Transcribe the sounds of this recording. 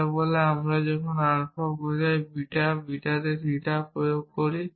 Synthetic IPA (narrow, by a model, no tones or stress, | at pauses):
bɔleamɾad͡ʑɔkʰonaɾkʰɔɡodajbiʈabiʈad̪eɾiʈapɾojoɡ̚koɾi